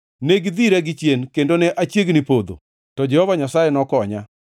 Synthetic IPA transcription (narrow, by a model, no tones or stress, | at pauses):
neɡd̪iɾɛɡɪt͡ʃjenkendonɛʔat͡ʃjeɡnipod̪o̰ | tɔd͡ʒɛhɔvaɲasajɛnɔkɔɲa